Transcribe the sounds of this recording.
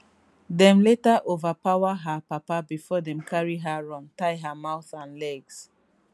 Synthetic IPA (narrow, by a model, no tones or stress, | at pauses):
dɛ̃mletaʔovapaʊwaɦapapabifɔdɛ̃mkʰaɹiɦaɹɔ̃ntaɪɦamaʊθãnlɛɡs